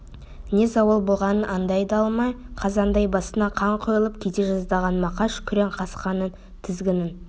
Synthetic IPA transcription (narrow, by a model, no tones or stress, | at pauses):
ne̞zɑwəlˠbolˠʁɑnənʔɑnd̪ɑjd̪ɑɑlˠmɑjqʰɑzɑnd̪ɑjbɑsənɑqʰɑɴqʰojəlˠəp̚kʲʰet̪eʒɑzd̪ɑʁɑnmɑqɑʃkʲʰʏɾeɴqʰɑsqɑnən | t̪ʰɪzɡʲɪnɪn